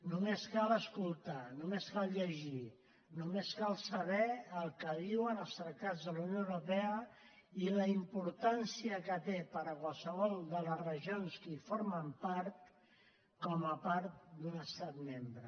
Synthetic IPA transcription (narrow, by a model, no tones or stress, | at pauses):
numeskaləskulˠt̪anumeskalˠʎəʒi | numeskalˠsəβɛəlˠkəðiwənəlˠst̪ɾət̪ad͡zðəlawnjoəwɾupɛə | iləimpuɾt̪ansiəkət̪epəɾəkwalˠsəβ̞ɔlˠd̪ələzrəʒionskəifoɾməmpaɾt̪ | kɔməpaɾt̪̚d̪unəst̪at̪membɾə